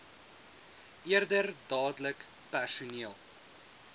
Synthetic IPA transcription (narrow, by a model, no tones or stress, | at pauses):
ʔiərdərdɑːdlək | pærsuniəlˠ